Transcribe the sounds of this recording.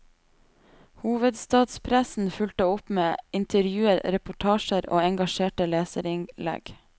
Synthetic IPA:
huːʋəd̪st̪ɑːd̪spʰɾæsn̩fʉlt̪əʊpmeːɪnt̪ʰəɾjʉːəɾɾɛpʊʈʰɑːʃəɾo̰ːɛŋɡɑʃeːʈəleːsəɾɪŋlɛ̰ɡ̥

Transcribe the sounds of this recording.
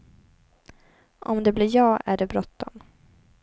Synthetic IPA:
ʔɔmd̪ɛblɪɾjɑːæɖɛbɾɔt̪ːɔm

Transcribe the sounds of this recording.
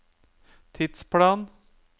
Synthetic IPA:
t̪ʰɪd̪spʰlɑːn

